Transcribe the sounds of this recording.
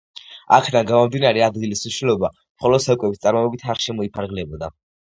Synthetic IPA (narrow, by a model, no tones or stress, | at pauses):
a̰kʰd̪anɡamɔmd̪inaɾɛad̪ɡilisuʃilɔba | mχɔlɔd̪̥sakʼwɛbist̪sʼaɾmɔɛbit̪ʰaɾʃɛmɔipʰaɾɡlɛbɔd̪a